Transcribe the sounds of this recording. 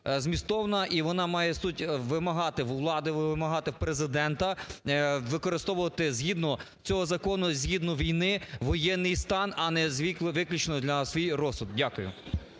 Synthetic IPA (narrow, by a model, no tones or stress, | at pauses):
zmʲist̪ɔʋnɐʔiʋɔnɑmɑjɛsutʲʋɪmɐɦɑt̪ɪwʋlˠɑd̪ɪʋʋɪmɐɦɑt̪ɪpɾezɪd̪ɛnt̪ɐ | ʋɪkɔɾɪst̪ɔʋʊʋɐt̪ɪzʲɦʲid̪nɔ | t͡sʲɔɦɔzɐkɔnʊzʲɦid̪nɔʋʲijnɪʋɔjɛnːɪjst̪ɑnɐnɛzʲʋʲikˠʋɪklʲut͡ʃenɔd̪lʲɐsʋʲijrɔsʊd̪̚dʲakʊjʊ̰